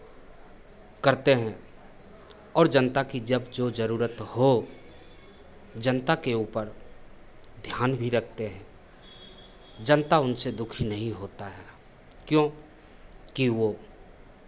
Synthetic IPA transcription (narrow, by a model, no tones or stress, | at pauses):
kəɾt̪eɦɛ̃ː | ɔːɾd͡ʒənt̪akid͡ʒəbd͡ʒod͡ʒəɾuːɾət̪ho | d͡ʒənt̪akeuːpəɾ | d̪ʱjaːnbʱiɾəkʰt̪eɦɛ̃ː | d͡ʒənt̪aʊnsed̪ʊkʰinɐɦĩɦoːt̪aɦɛː | kjõː | kiʋoː